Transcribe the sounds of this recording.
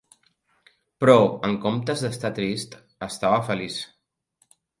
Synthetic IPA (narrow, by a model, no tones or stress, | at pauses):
pɾɔəŋkomt̪əzðəst̪at̪ɾist̪ | əst̪aβəfəlis